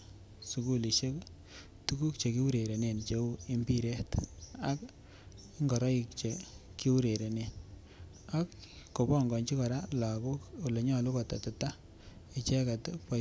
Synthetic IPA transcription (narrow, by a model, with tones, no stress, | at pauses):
su˨ku˦li˨ʃe˦k | tu˦ku˦kt͡ʃe˨ki˦wu˦ɾe˨ɾe˨ne˨nt͡ʃe˦u˦i˦mbi˦ɾe˦ta˦k | ŋɡɔ˨ɾɔ˦i˦k̚t͡ʃe˨ | ki˦wu˦ɾe˨ɾe˨ne˨n | a˦kː | o˨bɔ˦˨ŋɡɔ˨nt͡ʃi˦kɔ˨ɾa˦la˨ko˦ko˨le˨ɲɔ˦˨lu˦kɔ˨ta˨tu˨ta˦ | i˨t͡ʃɛ˦ka˨tpa˦